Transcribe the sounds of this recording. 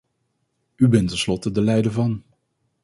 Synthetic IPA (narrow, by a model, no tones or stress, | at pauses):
ybɛntɛnslɔtədəlɛjdəɹvɑn